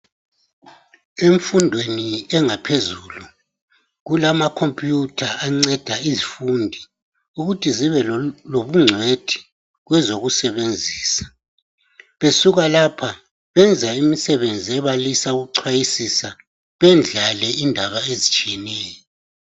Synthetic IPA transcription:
eɱfundʱweniɛŋapʰezulu | ɣulamakʰompʼjutʰaʔaŋ͡ǀɛd̥ʱaizifundʱi | uɣutʰiziβɛloβuŋ͡ǀʱwed̥ʰʱi̥ | ɣwɛzoɣusɛβend͡zʱiːsḁ | βesuɣalapʰa | βɛnd͡zʱaimisɛβend͡zʱiɛβalisauɣuǀʰwajisisa | βɛnd͡ɮʱalɛindʱaβaezit͡ʃʼijɛnɛːjɔ

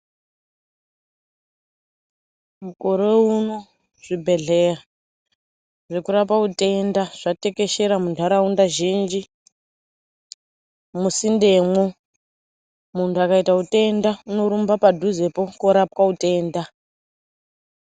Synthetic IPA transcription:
mukoɾe̞uno | ʐ̥ibʱe̞ɮera | ʐekuɾapaute̞ndaʐ̥ate̞ke̞ʃeɾamundʱaɾaundaʒind͡ʒi | musinde̞mwo | muntuakaitaute̞ndauno̞ɾumbapadʱuze̞po̞koɾapwaute̞ːnda

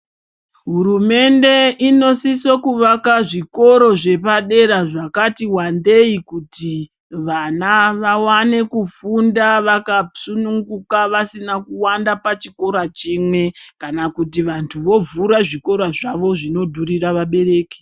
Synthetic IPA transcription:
ɦuɾume̞nde̞ino̞sisokuʋakaʐiko̞ɾo̞ʐe̞paɗe̞ɾaʐakatiwande̞ikuti | ʋanaʋawane̞kufundaʋakasunuŋɡukaʋasinakuwandapat͡ʃiko̞ɾat͡ʃiːmwe̞kanakutiʋantʰuʋo̞vuɾaʐiko̞ɾaʐaʋo̞ʐino̞dʱuriraʋaɓe̞ɾe̞ːke̥

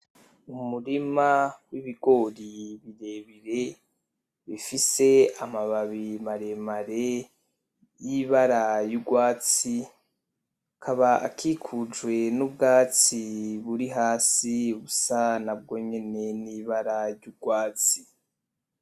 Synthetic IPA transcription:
umuɾimawiβiɡo̞ɾiβiɾe̞βiɾe̞ | βifise̞amaβaβimaɾe̞maɾe | jiβaɾajuɡwaːt͡si | akʰaβaa̰kʰikʰud͡ʒwe̞nubɡaːt͡siβuɾiɦaːsiβusanab̚ɡo̞ːɲe̞ne̞niːβaɾaɾɟuɡwaːt͡si̥

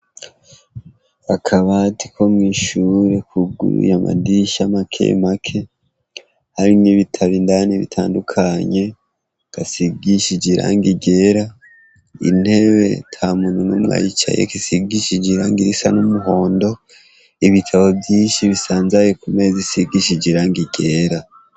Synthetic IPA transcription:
akʰaβatikʰo̞mŋiʃuɾe̞kʰuɡṵɾṵjama̰diʃamakʰe̞̰makʰe̞ | haɾimŋiβitʰaβindaniβḭtʰaːndukʰaɲe̞ | kasiɡiʃid͡ʒiɾa̰ːŋɡiɟe̞ɾa | ḭn̥he̞βe̞̰tʰamununumŋa̰ːjit͡ʃa̰jḛkisiɡiʃid͡ʒiɾaŋɡiɾisanumuɦo̞ːndo̞ | iβitʰaβo̞bjiːnʃiβisaːnzajekume̞zisiɡiʃid͡ʒiɾaŋɡiɡe̞ɾa

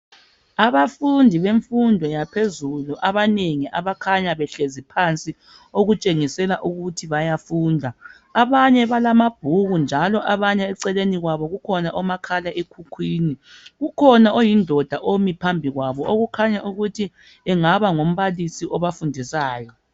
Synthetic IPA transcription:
aβafundʱiβeɱfundʱɔjapʰezuluʔaβaneŋiʔaβakʰaɲaβɛɬezipʰant͡sʼi | oɣut͡ʃʼeŋisɛlaʔuɣutʰiβajafuːndʱaː | βaɲɛβalamab̥ʱuɣund͡ʒʱalɔʔaβaɲɛɛǀɛleniɣwaβɔɣukʰɔnaʔɔmakʰalaʔekʰukʰwiːniɣukʰɔnaojindʱɔd̥ʱaʔomipʰambʱiɣwaβɔʔoɣukʰaɲaʔuɣutʰi | ɛŋaβaŋom̩βalisiʔɔβafundʱisaːjɔ

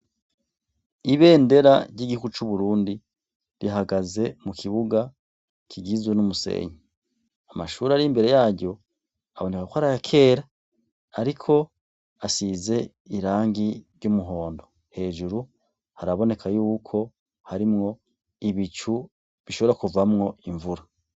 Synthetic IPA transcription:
iβe̞ːnde̞ɾaɾɟiɡihuɡut͡ʃuβuɾuːndi | ɾiɦaɡaze̞mukʰiβuɡa | kʰiɡizwenumuse̞̰ːɲi | amaʃuːɾaɾimbe̞ɾe̞jaːɟo̞ | aβo̞ne̞kakwaɾajakʰe̞ːɾaː | ɾikʰo̞ | asize̞ | iɾaːŋɡiɾjumuɦo̞ːndo̞ | he̞ːʒuɾu | haɾaβo̞ne̞kʰajuːkʰo̞ | haɾimŋo̞ | iβit͡ʃu | βiʃo̞βoɾakuvamŋo̞ʔiɱvuɾa

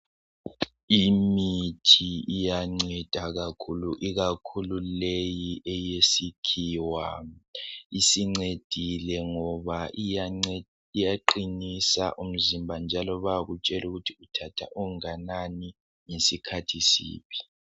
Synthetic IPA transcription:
imitʰiijaŋ͡ǀɛd̥ʱaɣakʰuluʔiɣakʰululejiʔɛjesikʰiwa | isiŋ͡ǀed̥ʱilɛŋɔβa | ijaǃinisa̰ʔum̩zimbʱand͡ʒʱalɔβaɣut͡ʃʼɛluɣutʰiutʰatʰa̰ʔuŋanani | ŋesikʰatʰisḭːβi

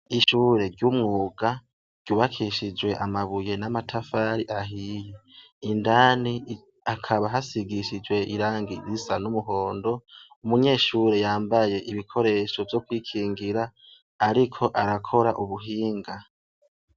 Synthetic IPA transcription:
iʃuːɾe̞ɾɟumŋuːɡa | ɾɟ̥uːβakʰiʃid͡ʒwe̞ʔamaβuje̞namatʰafaːɾiʔaɦije | indaːni | akʰaβaɦasiɡiʃid͡ʒwe̞iɾaːŋɡiɾisanumuɦo̞ːndo̞ | umuɲe̞ːʃuːɾe̞jaːmbaje̞ʔiβikʰo̞ɾe̞ʃo̞vjo̞kwiːkʰiːŋɡiɾaː | ɾikʰo̞ʔaɾakʰo̞ɾaʔuβuɦiːŋɡa

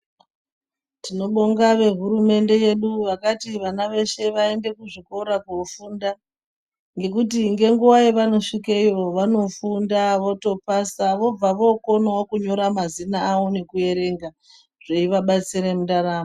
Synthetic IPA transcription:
tino̞ɓo̞ŋɡaʋe̞ɦuɾume̞nde̞je̞ɗuʋakatiʋanaʋe̞ʃe̞ʋae̞nde̞kuʐiko̞ɾakufuːnda | ŋɡe̞k̬ut̬iŋɡe̞ŋɡuwaiʋano̞ʂikaijo̞ʋano̞fundaʋo̞to̞pasaʋo̞b͡vaʋo̞ko̞nookuɲo̞ɾamazinaːwo̞ne̞kuje̞ɾeŋɡa | ʐ̥eiʋaɓat͡siɾemudaɾaːmo

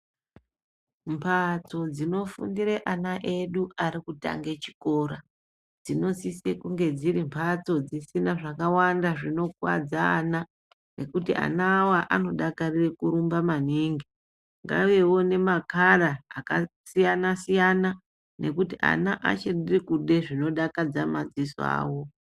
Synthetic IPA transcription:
mpʰat͡so̞d͡zino̞fṵndiɾe̞ʔanaʔe̞ɗuaɾikuta̰ŋɡe̞t͡ʃi̥ko̞ːɾa | d͡zino̞sise̞kuŋɡe̞d͡ziɾimpʰat͡so̞d͡zisinaʐakawandaʐino̞kwa̰d͡za̰ːna | ne̞kutiʔa̰naːwaʔano̞ɗakarirekuɾumbamaniŋɡi | ŋɡa̰uwe̞wo̞ne̞makaɾaːkasijanasijana | ne̞kutiʔa̰naʔa̰t͡ʃeɗirikuɗe̞ʐino̞ɗakad͡zamad͡ziso̰a̰ːwo̞

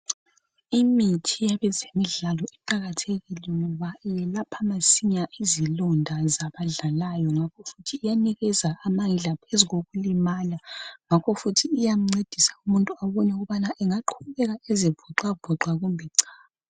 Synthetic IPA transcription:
imitʰijaβɛzemiɮalɔɛǃaɣatʰeɣilɛŋɔβajɛlapʰamasiɲaʔizilɔndʱazaβaɮalajɔŋakʰɔfutʰiːjaniɣɛzaʔːmaŋiɮapʰeziɣoɣulimaːlaŋakʰɔfutʰiːjam̩ŋ͡ǀed̥ʱisḁumuntʼuaβɔɲɛuɣuβanaʔɛŋaǃʰuβɛɣaezivɔǁwavɔǀwaɣumbʱɛǀaːa

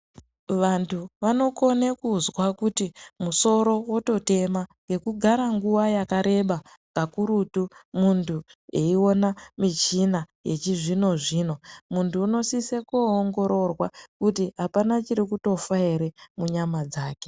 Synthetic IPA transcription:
ʋantʰuʋano̞ko̞nekuzwakutimuso̞ɾo̞woto̞te̞maŋɡe̞kuɡʱaɾaŋɡuʋajakaɾe̞ɓa | kakuɾutumuntʰueio̞namit͡ʃinaje̞̰t͡ʃiʐino̞ʐiːno̞muntuːno̞sisekoːŋɡo̞ɾo̞rwakutiɦapanat͡ʃiɾikuto̞faiɾe̞muɲamad͡zaːke̞̥

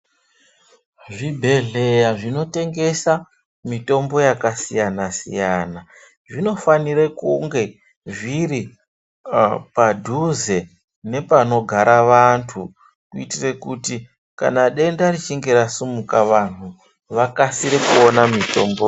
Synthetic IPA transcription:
ʐibʱe̞ɮe̞jaʐino̞te̞ŋɡe̞sa | mito̞mbo̞jakasijanasḭjana | ʐino̞faniɾekuŋɡe̞ | ʐiɾi | padʱuze̞ | ne̞pano̞ɡʱaɾʔaʋantʰu | kuitire̞kuti | ka̰naɗe̞ndarit͡ʃiŋɡe̞ɾasumukaʋan̤u | ʋakasiɾekuonamito̞mbo

